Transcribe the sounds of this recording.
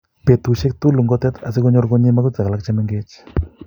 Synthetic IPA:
pe˨t̪u˨ʃe˦k̚t̪u˦lu˨ŋɡɔ˦t̪ɛ˦t̪a˨s̬ɪ˦ɡɔ˦ɲɔ˦ɾɡɔ˦ɲɪ˦ma˦kɔ˦t͡sa˨ka˨la˦k̚t͡ʃa˦mɛ˦ŋɡe˦t͡ʃ

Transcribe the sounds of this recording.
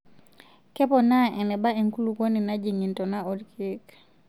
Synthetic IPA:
kɛ˦pɔnaɛ˨nɛ˨ba˦e˨ŋku˦luko˦ni˨na˦ɟiŋintonao˨dkʰik

